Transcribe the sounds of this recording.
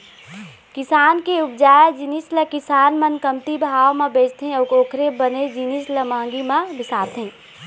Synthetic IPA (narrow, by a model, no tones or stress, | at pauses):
kɪsaːnkeʊp̚d͡ʒaːed͡ʒinisləkɪsaːnmɐnkəmt̪ibʱaːʋmãbeːt͡ʃt̪ʰẽəkoːkʰɾebəned͡ʒinisləmãːŋɡimãbɪsaːt̪ɦẽː